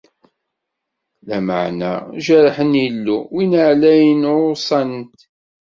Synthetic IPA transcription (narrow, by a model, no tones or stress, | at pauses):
læma̰ʕnæ̰ʒəɾħənjilːuwinəʕlæjənʊsˤɑnt̪